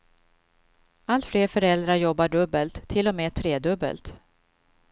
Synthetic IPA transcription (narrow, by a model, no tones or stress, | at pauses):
ʔalt̪fleːɾfœɾɛld̪ɾaɾjɔbːaɖɵbːəlt̪ʰːɪlɔmeːt̪ʰɾeːd̪ɵbːə̰lt̪